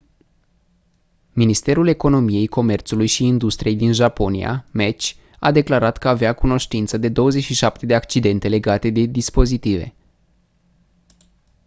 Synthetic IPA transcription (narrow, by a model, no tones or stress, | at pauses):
minist̪e̞ɾule̞ko̞no̞mije̞jko̞me̞rt̪sulujʃiːnd̪ust̪ɾije̞jd̪inʒapo̞nia̰met͡ʃʲ | ad̪e̞klaɾat̪kəaveakuno̞ʃt̪int̪səd̪e̞d̪o̞wəzet͡ʃʲʃiʃap̚t̪e̞d̪e̞akt͡ʃid̪e̞nt̪e̞le̞ɡat̪e̞d̪e̞d̪ispo̞zit̪ive̞̰